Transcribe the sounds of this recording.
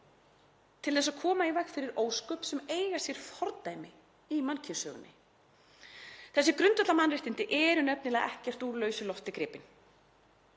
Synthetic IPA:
t̪ʰɪlθɛs̬ːakʰɔːmaivɛxfɪɾɪɾoːwskœpsɛmeːjɣasjɛɾ̥fɔɾt̪ajmɪ | imancʰɪnsœːɣʏ̰nːɪ̰ | θɛsːɪkɾʏnt̪œt̪lamanrɪht̪ɪnt̪ɪʔɛɾʏnɛpnɪlaðʔɛ̰hcɛr̥t̪uːɾlœːɥsʏlɔft̪ɪkɾɪːpɪn

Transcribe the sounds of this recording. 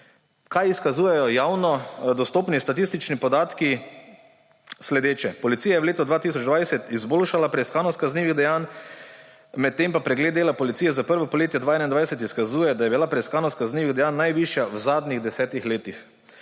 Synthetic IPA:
kajiskazuːjɛjɔjawnɔd̪ɔst̪oːpnist̪at̪ist̪it͡ʃnipɔd̪aːt̪ki | slɛd̪eːt͡ʃɛpɔlit̪sijajɛwleːt̪ɔd̪ʋaːt̪is̬ɔt͡ʃd̪ʋajsɛt̪izboːlʃalapɾɛiskaːnɔskazniːʋiɣd̪ɛjaːn | mɛt̪ːeːmpapɾɛɡled̪d̪eːlapɔlit̪sijɛzapəɾʋɔpɔleːt̪jad̪ʋaːɛːnaind̪ʋajsɛt̪iskazuːjɛd̪ajɛbilapɾɛiskaːnɔskazniːʋiɣd̪ɛjaːnːajʋiʃjawzaːd̪niɣd̪ɛsɛːt̪ixleːt̪ix

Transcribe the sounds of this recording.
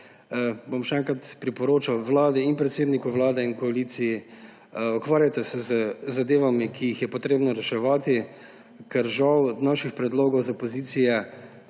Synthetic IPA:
bomʃɛɛŋkɾat̪pɾipɔɾoːt͡ʃawʋlaːd̪ɛinpɾɛt̪seːd̪nikuʋlaːd̪ɛinkɔalit̪siji | ɔkʋaːɾjat̪ɛsɛzəzad̪eːʋamikʰijixjɛpɔt̪ɾeːbnɔɾɛʃɛʋaːt̪i | kɛɾʒawnaːʃixpɾɛd̪loːɡɔwzapɔziːt̪sijɛ

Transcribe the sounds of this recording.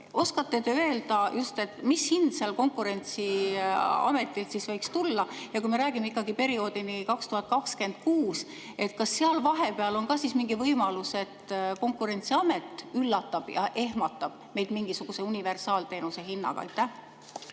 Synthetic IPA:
ʔo̞skɑt̪ːe̞t̪eøe̞ld̪̥ɑjust̪e̞t̪ːmishind̪seɑlko̞ŋkˑuɾe̞nʲt̪si | ɑ̰me̞t̪ːˑilt̪sisvɤjkst̪ulːɑjɑkujme̞ɾæːɡ̥imeikːɑɡipe̞ɾio̞ːd̪inikɑkst̪uhɑt̪̚ˑkɑkske̞nd̪̥̚kuːs | e̞t̪kɑsːeɑlvɑɦe̞peɑlo̞nkɑsismiŋɡ̥ivɤjmɑluse̞t̪ko̞ŋkˑuɾe̞nʲt̪siɑme̞t̪ːˑylːɑt̪ːˑɑb̥jɑ̰ʔe̞ɦmɑt̪ːˑɑb̥me̞jd̪̥miŋɡ̥isuɡ̥use̞unʲive̞rsɑːlt̪e̞ːnuse̞ɦinːɑ̰ɡ̥ɑ̰ɑ̰jt̪ːˑæh

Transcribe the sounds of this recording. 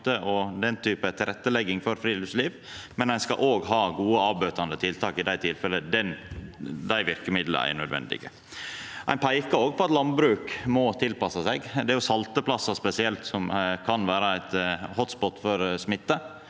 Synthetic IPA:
t̪əʔɔd̪ɛnt̪ʰyːpət̪ʰɪlɾʔɛt̪ːəlɛɡːɪŋfɔɾfɾiːlɪʋsliːʋ | mɛnæɪnskɑ̰ʔoːɡɦɑːɡuːəɑːbøːt̪ɑnd̪ət̪ʰɪlt̪ʰɑːkɪd̪æɪt̪ʰɪlfɛlːəd̪ɛn | d̪æɪʋɪɾkəmɪd̪lə̰æ̰ɪnœd̪ʋɛ̰nd̪ɪ̰ɡə̰ | ʔæ̰ɪnpʰæɪkɑoːɡ̚pʰɔɑt̪lɑnbɾʉːkmɔt̪ʰɪlpɑsɑsɛɡd̪ɛæɾjʊsɑlt̪əpʰlɑsːɑspɛsɪɛlt̪sɔmkʰɑnʋæːɾɑæɪt̪hɔt̪spɔt̪ːfɔɾsmɪt̪ːə

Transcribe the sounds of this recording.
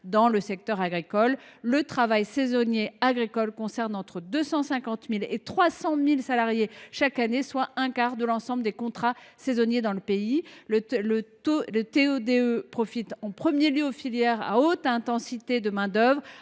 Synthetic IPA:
d̪ɑ̃ləsɛk̚t̪œʁaɡʁikɔlːət̪χavajsezɔnjeaɡʁikɔlkɔ̃sɛʁnɑ̃t̪χəd̪øsɑ̃sɛ̃kɑ̃t̪milet̪χwasɑ̃milsalaʁjeʃakaneswaʔɛ̃kaʁd̪əlɑ̃sɑ̃bləd̪ekɔ̃t̪χasezɔnjed̪ɑ̃ləpei | lə | lət̪eød̪eøpχɔfit̪ɑ̃pχəmjeljøofiljɛʁa̰ot̪ɛ̃t̪ɑ̃sit̪ed̪əmɛ̃d̪œvʁ

